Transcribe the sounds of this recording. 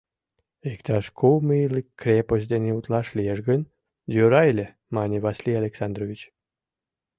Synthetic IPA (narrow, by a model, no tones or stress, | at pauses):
ekt̪ɑʃkʰowmilikːrʲepos̬ʲd̪enʲeut̪lɑʃlʲieʒɡən | zøɾɑjlʲe | mɑnʲivɑsʲlʲijalʲeksɑnd̪rovʲit͡ɕ